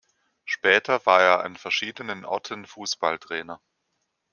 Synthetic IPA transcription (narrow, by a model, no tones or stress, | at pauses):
ʃpɛːtʰɐvaːɐeːɐʔa̰nfɛɐʃiːdənənʔɔ̰ɐtʰənfuːsb̥altʁ̥ɛːnɐ